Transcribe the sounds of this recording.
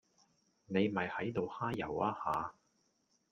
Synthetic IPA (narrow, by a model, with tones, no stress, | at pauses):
ne˨˧jmɐ˨jhɐ˨˥jt̪o˨whaː˥jjɐ̰˨˩waː˧haː˨˧